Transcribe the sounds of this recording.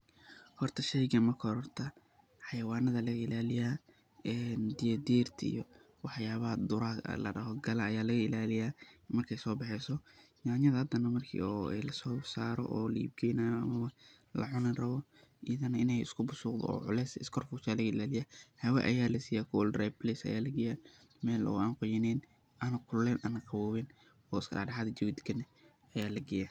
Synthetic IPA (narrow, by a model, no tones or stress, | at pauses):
hɔrt̪ʰɐʃɛjɡɐmɐkʰɔɾɔrt̪ʰɐ | ħɑjɐwaːnɐðɐlɐɣɐɪlaːlɪjaː | ɛːnd̪ɪjɐd̪iːrt̪ʰɐḭjɔ | wɑħjaːβɐd̪ʊɾɐ̰lɐ̰ɖɐɦɔɡɐlɐːjaːlɐɣɐɪlaːlɪjaːmɐrkʰɛjsɔːbɑħɛsɔnaːɲɐðɐhɐd̪ɐnɐmɐrkʰḭːɔːɛlɐsɔːsaːɾɔ̰ʔɔːlɐḭb̚ɡɛːjnaːjɔɐ̰mɐwɐ | lɐ̰ʕʊnɐnrɐβɔ | ɪjɐðɐnɐɪnɛjɪ̰skʰʊbʊsʊːqd̪ɔ̰ɔ̰ːʕʊ̰lɛsɪskʰɔrfʊːʃaːlɐɣɐɪlaːlɪjahɐwɛ̰ʔɐ̰jaːlɐsiːjakʰuwlrablɛsɐ̰ja̰ːlɐɡɪja | mɛːlɔ̰aːnqʊjɪnɛn | anɐkʰʊlːɛːnʔanɐqɑwɔːβɛn | ɔːɪskʰɐ̰laːɖɑħaːðɐd͡ʒɐwɪd̪ɪɡɐnɛ | ɐjaːlɐɡɛja